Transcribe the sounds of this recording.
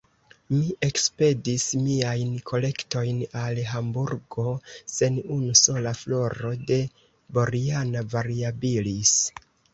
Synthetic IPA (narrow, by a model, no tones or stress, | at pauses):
miʔe̞kspe̞dismiajnkʰo̞le̞kto̞jnalɦambuɾɡo̞se̞nunuso̞laflo̞ɾo̞de̞ | bo̞ɾianavaɾiabilis